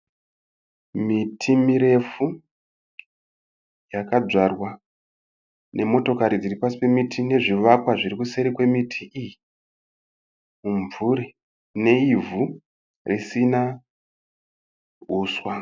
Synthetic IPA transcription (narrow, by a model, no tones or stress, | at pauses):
mitʰimiɾe̞fu | jakad͡zwarwa | ne̞mo̞to̞kaɾid͡ziripasi̥pe̞mitʰine̞ʐiʋakwaʐirikuse̞ɾikwe̞mitʰiʔiji | muɱvuɾi | ne̞ivu | risina | uːswa